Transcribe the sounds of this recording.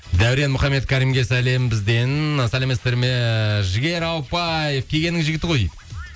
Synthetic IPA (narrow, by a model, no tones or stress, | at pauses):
d̪æwɾe̞nmʊχɑmːe̞t̪kʲʰæɾijmɡʲe̞sæle̞mbɪzd̪e̞nɑsælemest̪e̞ɾmeʒɪɡʲe̞ɾɑlˠpɑjefkʲʰe̞ɡʲe̞nɪŋzʒɪɡʲɪt̪ɪqʰo̞jijd̪ɪ